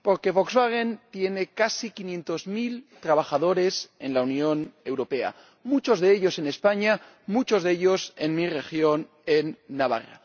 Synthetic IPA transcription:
po̞ɾke̞βokzβaɣent̪je̞nekasikinjẽ̞nt̪o̞zmilt̪ɾaβaxaðo̞ɾe̞se̞̰nlaunjo̞ne̞wɾope̞a̰ | mut͡ʃo̞zðeeʎo̞se̞ne̞spaɲa | mut͡ʃo̞zðeʎo̞se̞nmire̞xjo̞n | enːaβa̰ra̰

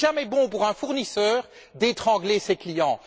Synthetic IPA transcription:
ʒamɛbɔ̃puʁɛ̃fuʁnisœːʁ | d̪et̪χɑ̃ɡleseklijɑ̃

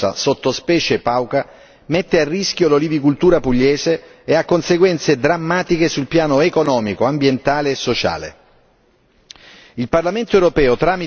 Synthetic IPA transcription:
a̰sot̪ːospɛːt͡ʃepawka | met̪ːearːisk̟jololivikult̪uːɾapuʎːɛːzeː | akːonseɡwɛnt̪sed̪ɾamːaːt̪ikesulpjaːnoekonɔːmikoambjent̪aːleːsːot͡ʃa̰ːlḛ | ilparlament̪oɛwɾopɛːot̪ɾaːmi

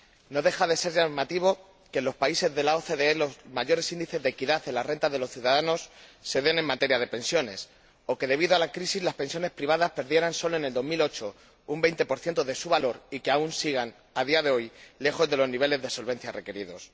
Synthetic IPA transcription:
no̞ðe̞xaðe̞se̞ɾʝamat̪iβ̞o̞ | ke̞lo̞spaise̞zðe̞lao̞θe̞ðeelozmaʝo̞ɾe̞sind̪iθe̞zðekiðaθe̞nlare̞nt̪azðe̞lo̞sθjuðaðano̞sːe̞ðe̞nẽ̞mːat̪eɾjað̞e̞pe̞nsjo̞ne̞̰s | o̞ke̞ðe̞β̞iðoalakɾisizlaspe̞nsjone̞spɾiβ̞aðaspe̞ɾðje̞ɾanso̞lo̞ene̞ld̪o̞zmilo̞t͡ʃo̞ | umbejnt̪e̞po̞ɾθjent̪oðe̞suβalo̞ɾike̞aunsiɣ̞an | aðiaðe̞o̞jle̞xo̞zðe̞lo̞zniβ̞e̞le̞zðe̞so̞lβẽ̞n̟θjare̞ke̞ɾiðo̞̰s

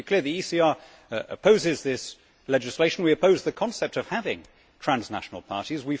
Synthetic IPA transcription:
kʰl̥ɪɹðiisiɑɹ | ə̰pʰoʊzɪzðɪs | lɛd͡ʒɨsleɪʃn̩wiɨpʰoʊzðɨkʰɒ̃nsɛp̚tʌv̥havɪ̰̃ŋ | tʰɹ̥æ̃nznæ̰ʃn̩əl̩ˠpʰɑ̰ɹɾizwi

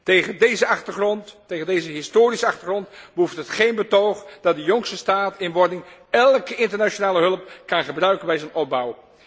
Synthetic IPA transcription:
tejχəndejzəɑχtəχrɔnttːejχəndejzəɦɪstoːɾisəɑχtərχrɔntbəuftɦətχejnbətowχd̥ɑt̚dəjɔŋsəstaːtɪnʋɔɹdɪŋɛlˠkəɪntəɹnat͡ʃonaːləɦɵlˠəpkɑnχəbrœɥkənbɛjzənɔp̚bɑw

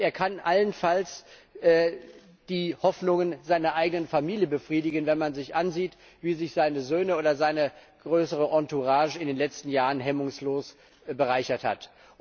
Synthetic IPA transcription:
eːɐkʰanʔalənfals | ʔɛː | d̥iːhɔfnʊŋənzaɪnɐʔaɪɡənənfamiːljəbəfʁ̥iːdɪɡənvɛnmanzɪçʔanziːt | v̥iːzɪçz̥aɪnəzøːnəʔoːdɐzaɪnə | ɡ̥ʁøːsəʁəʔɔntuʁaːʒəɪndeːnlɛt͡stn̩jaːʁənɦɛmʊŋsloːs | bəʁaɪçɐtha̰t

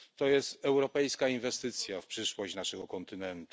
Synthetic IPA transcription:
t̪ɔjɛst̪ɛwɾɔpɛjskainvɛst̪ɘt̪sʲjafpʂɘʂwɔɕt͡ɕnaʂɛɡɔkɔnt̪ɘnɛnt̪u

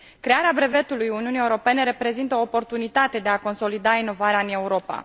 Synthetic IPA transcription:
kɾe̞aɾeabɾe̞ve̞t̪ulujuniunijeuɾo̞pe̞ne̞ɾe̞pɾe̞zint̪əoːpo̞rt̪unit̪at̪e̞d̪e̞ako̞nso̞lid̪aino̞vaɾeaɨne̞uɾo̞pa̰

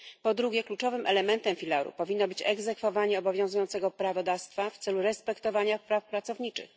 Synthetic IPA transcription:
pɔd̪ɾuɡʲjɛklut͡ʂɔvɘmʔɛlɛmɛnt̪ɛmfʲilaɾṵpɔvʲinːɔbɘt͡ɕɛɡzɛkfɔvaɲɛɔbɔvʲjɔ̃w̃zujɔnt̪sɛɡɔpɾavɔd̪afst̪faft̪sɛluɾɛspɛkt̪ɔvaɲapɾafpɾat̪sɔvɲit͡ʂɘ̰x

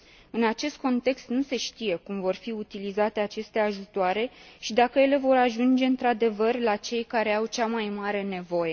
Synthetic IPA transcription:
ɨnat͡ʃe̞st̪̚ko̞nt̪e̞kst̪nuse̞ʃt̪ije̞kumvo̞rfiut̪ilizat̪e̞at͡ʃe̞st̪e̞aʒut̪oaɾe̞ʃid̪akəje̞le̞vo̞ɾaʒund͡ʒe̞ɨnt̪ɾad̪e̞vərlat͡ʃe̞jkaɾe̞awt͡ʃamajmaɾe̞ne̞vo̞je̞

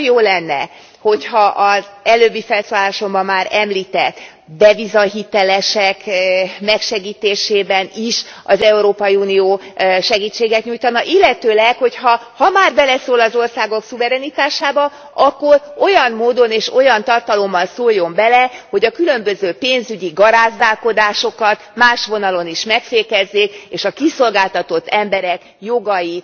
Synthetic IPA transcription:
joːlɛnːɛ̰ | ho̞chɒʔɒzɛløːbːifɛlsoːlaːʃo̞mbɒmːaːɾɛmliːt̪ɛt̪ː | b̪ɛvizɒɦit̪ɛlɛʃɛkmɛkʃɛɡiːt̪eːʃeːbɛniʃɒzɛuɾoːpɒjiuːnioːʃɛɡiːt͡ʃːeːɡɛt̪ɲujt̪ɒnɒʔilːɛt̪øːlɛkho̞chɒhɒmaːrbɛlɛsoːlɒzo̞rsaːɡo̞ksuvɛɾɛnit̪aːʃaːbɒ | ɒkːo̞ro̞jɒmmoːd̪o̞neːʃo̞jɒnt̪ɒrt̪ɒlo̞mːɒlsoːlːo̞mbɛlɛho̞ɟɒkylø̞mbøzøːpeːnzyɟiɡɒɾaːzd̪aːlko̞d̪aːʃo̞kɒt̪maːʃʋo̞nɒlo̞niʃmɛkfeːkɛzːeːkeːʃɒkiso̞lɡaːlt̪ɒt̪o̞t̪ːɛmbɛɾɛk | jo̞ɡɒji

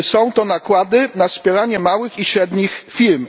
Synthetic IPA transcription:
sɔ̃w̃t̪ɔnakwad̪ɘnaspʲjɛɾaɲɛmawɘxiɕɾɛd̪ɲixfʲilm

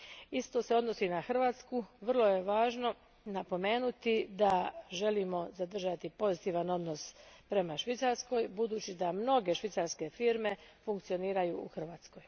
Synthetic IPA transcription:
ist̪o̞se̞o̞d̪no̞siːnaxr̩ʋaːt̪skuʋrlˠo̞je̞ʋaːʒno̞ | napo̞me̞ːnut̪id̪aʒe̞limo̞zad̪r̩ʒat̪ipo̞zit̪iːʋano̞d̪no̞spɾe̞maʃʋit̪saɾsko̞jbud̪uːt͡ɕid̪amno̞ɡe̞ʃʋit̪saɾske̞fiːɾme̞fuŋkt̪sio̞niːɾajuːuxr̩ʋaːt̪sko̞j

